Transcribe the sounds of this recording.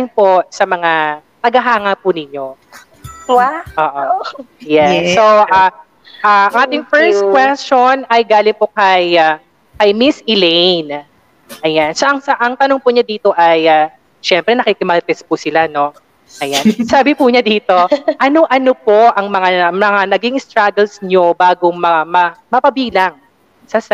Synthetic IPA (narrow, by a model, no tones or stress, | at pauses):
ɪŋpo̞sɐmɐŋat̪ɐɡɐɦaːŋɐpʊnɪɲo̞ | wʔoːʔojɛːoa | ʔaʔɐŋʔaːt̪ɪŋfɛɹst̪̚kwɛst͡ʃonɐjɡaːlɪŋpokɐja | kɐjmɪsɪlɛjn | ʔɐjansɐʔɐŋsɐʔɐŋt̪ɐnoŋpʊɲɐd̪iːt̪o̞ʔɐja | ʃɛmpɾɛnɐkikɪmɐlt̪ɛspʊsɪlano̞ | ʔɐjansaːbɪpuɲɐd̪iːt̪o̞ʔɐno̞ʔɐnopo̞ʔɐŋmɐŋamɐŋanɐɡɪŋɪst̪ɾaɡɛlsɲobaːɡomɐamɐmɐpɐbiːlɐŋ | sɐs